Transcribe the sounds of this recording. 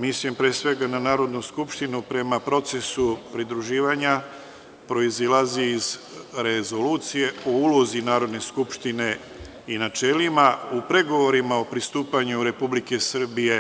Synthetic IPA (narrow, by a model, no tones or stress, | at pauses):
mislijempɾieːsʋe̞ɡananaːɾo̞d̪nuskupʃt̪inupɾe̞mapɾo̞t̪se̞supɾid̪ɾuʒiːʋaɲa | pɾo̞izilaziːz | ɾezo̞luːt̪sije̞o̞uːlo̞zinaːɾo̞d̪ne̞skupʃt̪ine̞ | inat͡ʃe̞limaupɾe̞ɡo̞ʋo̞ɾimao̞pɾist̪uːpaɲuɾe̞publike̞sr̩bije̞